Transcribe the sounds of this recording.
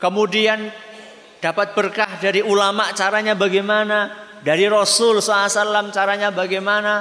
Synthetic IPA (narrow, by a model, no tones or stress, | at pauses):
kəmudian | d̥apat̪̚b̥ərkahdaɾiulamaʔt͡ʃaɾaɲabaɡajmana | daɾiɾɔsʊlsɔasalamt͡ʃaɾaɲabaɡajmana